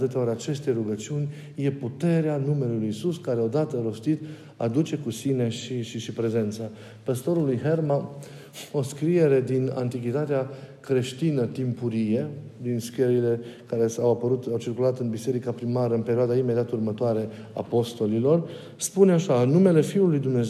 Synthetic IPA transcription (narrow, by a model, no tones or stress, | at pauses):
t̪ɨt̪eo̞ɾʲat͡ʃe̞st̪ejɾuɡət͡ʃiunʲ | je̞put̪e̞ɾeanume̞lelujisuskaɾe̞o̞d̪at̪əɾo̞st̪it̪ | ad̪ut͡ʃe̞kusine̞ʃiʃiʃipɾe̞ze̞nt̪sa | pəst̪o̞ɾulujɦe̞rma | o̞skɾie̞ɾe̞d̪ina̰nt̪ikʲit̪at̪eakɾe̞ʃt̪inət̪impuɾije̞d̪inskeɾile̞kaɾe̞sawapəɾut̪awt͡ʃirkulat̪ɨnbise̞ɾikapɾimaɾəɨnpe̞ɾioad̪aime̞d̪iat̪urmət̪oaɾe̞ | a̰po̞st̪o̞lilo̞r | spuneaʃaɨnume̞le̞fiulːujd̪umne̞